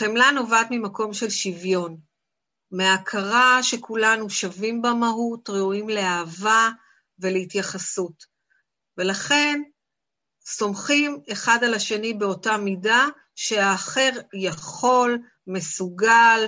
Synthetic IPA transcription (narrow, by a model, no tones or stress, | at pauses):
χemlano̞vatmimako̞mʃe̞lʃivjo̞n | meakʰaʁaʃe̞kulanuʃavimbamaɦutʁeuimle̞aːva | ve̞leitjaχasut | ve̞laχe̞n | so̞mχime̞χadalaʃe̞nibe̞o̞tamida | ʃe̞aːχe̞ʁjaχo̞l | me̞suɡal